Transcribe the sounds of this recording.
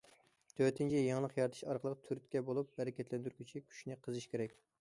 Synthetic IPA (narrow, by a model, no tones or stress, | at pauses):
t̪ʰøt̪ʰɪnt͡ʃʰijɑŋlˠəqjɑɾt̪ʰɨ̥ʃɑɾqʰəlˠəqt̪ʰyɾt̪kʲɛbolˠup̚bɛɾɛkʲɛt̪lɛnd̪yɾkʲʰyt͡ʃʰikʲʰy̥ʃnɪqʰəzɨʃkʲeɾɛkʲ